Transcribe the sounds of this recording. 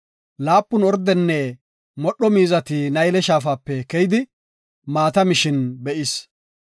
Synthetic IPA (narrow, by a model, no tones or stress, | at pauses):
laːpːʊnɔɾd̪ɛnːɛ | mɔɗːɔmiːzɐt̪ɪnɐjlɛʃaːfaːpːɛkɛjɪd̪ɪ | maːt̪ɐmɪʃɪnbɛʔɪs